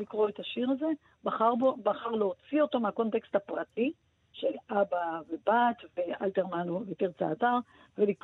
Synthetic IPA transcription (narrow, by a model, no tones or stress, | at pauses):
likʁo̞et̪aʃiʁaze̞ | baχaʁbobaχaʁleot͡sio̞t̪o̞meako̞nt̪e̞kst̪hapʁati | ʃe̞labavebat̪veʔalt̪eʁmanovepiʁt͡sa̰ːtaʁ | velik